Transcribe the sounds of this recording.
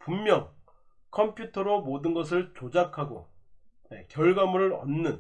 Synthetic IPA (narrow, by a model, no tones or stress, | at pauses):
pumːjʌŋ | kʰʌmpʰjutʰʌɾomodɯnɡʌs̬ʰɯɭt͡ɕod͡ʑakʰaɡo̰nekjʌɭɡamuɾɯɾʌ̰nːɯn